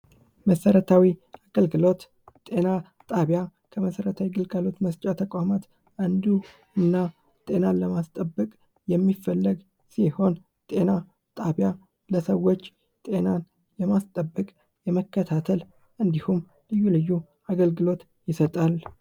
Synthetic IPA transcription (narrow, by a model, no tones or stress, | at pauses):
məsəɾət̪ʰawiaɡəlɡɨlo̞t̪ | t̪ʼe̞na | t̪ʼaβjakʰəməsəɾət̪ʰawiɡɨlɡalo̞t̪məst͡ʃʼat̪ʰəkʼʷamat̪ | ʔand̪u | ɨnːa | t̪ʼe̞nanləmast̪ʼəbːəkʼ | jɛmːifəlːəɡ | siho̞n | t̪ʼe̞na | t̪ʼaβja | ləsəwo̞t͡ʃː | t̪ʼe̞nan | jɛmast̪ʼəbːəkʼ | jɛməkʰːət̪ʰat̪ʰəl | ʔɨnd̪ihum | lɨjːulɨjːu | aɡəlɡɨlo̞t̪ | jɪsət̪ʼal